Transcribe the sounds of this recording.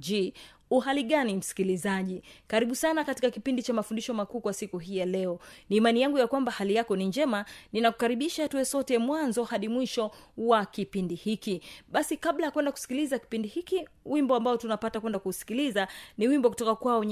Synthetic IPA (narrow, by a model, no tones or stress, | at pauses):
i | uɦaliɠanim̩si̥kilizaʄikaɾiɓusanakatikakipindit͡ʃamafundiʃɔmakuːkwasikuɦiːjalɛɔniːmanijaŋɡujakwambahalijakɔniɲd͡ʒɛmaninaku̥kaɾiɓiʃatuɛsɔtɛmwanzɔhaɗimwiʃɔwakipindihikiɓasikaɓlajakwɛndaku̥si̥kilizaki̥pindihikiwimbɔambaɔtunapatakwɛndakusi̥kilizaniwimbɔkutɔkakwaɔɲ